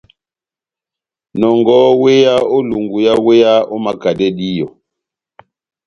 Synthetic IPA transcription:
nɔ˨ŋɡɔ˦we˦ja˦o˦lu˨ŋɡu˨ja˦we˦ja˦ɔ˦ma˨ka˨dɛ˦di˦jɔ˨

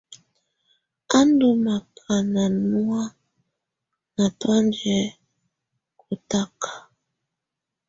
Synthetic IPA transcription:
a˦ndu˨ma˨kʰa˨na˨nu˦a˦ | na˨twa˦nd͡ʒɛ˨ | ku˨ta˦kʰḁ˨

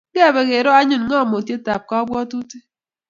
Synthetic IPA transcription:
ɡe˦a˨be˨ɣe˨ɾo˦a˦ɲɨ˨n˦ŋɔ˦˨mo˨tje˦ta˨p̚kɔ˦ɔ˦bwɔ˦tu˦ti˦

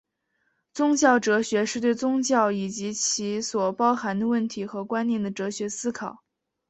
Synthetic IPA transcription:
t͡sʊ˥ŋt͡ɕjɑ˥˩ʊʈ͡ʂɤ˧˥ɕɥɛ˧˥ʂɻ̩˥˧t̪we˥˧ɪt͡sʊ˥ŋt͡ɕjɑ˥˩ʊi˨˩t͡ɕi˧˥t͡ɕʰi˧˥swɔ˨˩pɑ˥ʊxa˧˥nd̪ə˧wə˥˩nt̪ʰi˧˥xɤ˧˥kwa˥nnjɛ˥˩nd̪ə˩ʈ͡ʂɤ˧˥ɕɥɛ˧˥sɹ̩˥kʰɑ˨˩˦ʊ

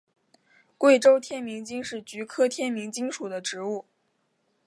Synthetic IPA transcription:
kwe˥˩ɪʈ͡ʂo˥ʊt̪ʰjɛ˥nmi˧˥ŋt͡ɕi˥ŋʂɻ̩˥˩t͡ɕy˧˥kʰɤ˥t̪ʰjɛ˥nmi˧˥ŋt͡ɕi˥ŋʂu˨˩d̪ə˦ʈ͡ʂɻ̩˧˥u˥˩

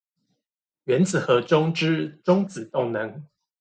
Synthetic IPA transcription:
ɥɛ˧˦nt͡sɹ̩˨˩xɤ˨˦ʈ͡ʂʊ˥ŋʈ͡ʂɻ̩˦˥ʈ͡ʂʊ˥ŋt͡sɹ̩˨˩t̪ʊ˥˨ŋnɤ˧˦ŋ

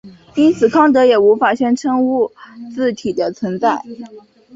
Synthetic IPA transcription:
i˥nt͡sʰɹ̩˨˩kʰɑ˥ŋt̪̬ɤ˧˥jɛ˨˩u˧˥fa˨˩ɕɥɛ˥nʈ͡ʂʰɤ˥ŋu˥˩t͡sɹ̩˥˩t̪ʰi˨˩d̪ə˦t͡sʰwə˧˥nt͡sa˥˩ɪ

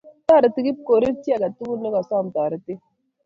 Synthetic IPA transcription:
ta˦ɾi˨ti˨ɡi˦p̚ko˨ɾi˦ɾti˦a˦˨ɡa˨tu˦ɡu˦nːe˦ɡa˨sa˦˨m˨ta˨ɾi˨ti˦

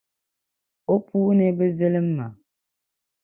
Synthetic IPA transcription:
o˦pu˦ne˦bə˦zə˦lə˦m̩ː˦a˨

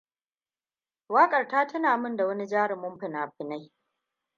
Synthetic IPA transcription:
waː˦kʼɐ˨rtaː˦tɐ˦naː˨mʊ˦nda˨wɐ˦ni˦d͡ʒaː˦ɽɪ˨mʊ˦mɸɪ˨naː˨ɸɪ˨na˦j

